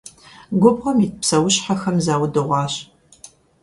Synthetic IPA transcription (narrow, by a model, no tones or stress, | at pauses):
ɡʷɔbʁɐmiːtpsɐwʊɕħaxɐmzaːwdɨʁʷɑːɕ